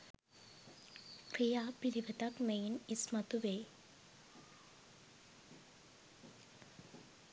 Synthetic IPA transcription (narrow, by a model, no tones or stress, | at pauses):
kɾijaːpiliʋɐt̪ɐkmejnismɐt̪uʋe